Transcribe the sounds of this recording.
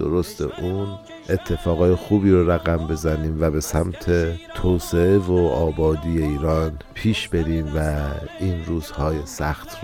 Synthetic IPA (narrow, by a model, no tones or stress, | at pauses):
o̰ɾost̪ʰḛʔuːn | ʔe̞t̪ʰːe̞fɒːɣɒːje̞xuːbiːɾoɾæɣæmbe̞zæniːmvæbe̞sæmt̪ʰet̪ʰoːse̞evoɒːbɒːd̪iːje̞iːɾɒːnpʰiːʃbe̞ɾiːmvæiːnɾuːz̥hɒːjesæxt̪